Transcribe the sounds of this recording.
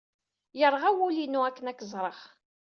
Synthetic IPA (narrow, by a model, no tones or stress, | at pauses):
jəɾˤʁawulinːuækːənækːəzˤɾˤəχ